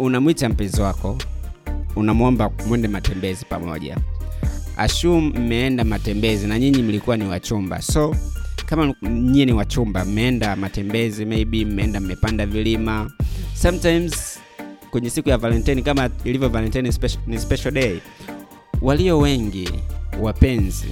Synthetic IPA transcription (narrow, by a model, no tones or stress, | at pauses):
unamwitam̩pɛziwakɔ | unamwɔmbamwɛndɛmatɛmbɛzipa̰mɔ̰ʄa̰ | a̰ʃum̩m̩mɛɛndamatɛmbɛzinaɲiɲim̩likuwaniwat͡ʃumba̰sɔkamaɲiɛniwat͡ʃumbam̩mɛɛndamatɛmbɛzimɛiɓim̩mɛɛndam̩mɛpandavilimasamtajmz | kwɛɲɛsikujavalɛntajnikamailivjɔvalɛntainspɛnispɛʃalɗɛi | waliɔwɛŋɡiwapɛnzḭ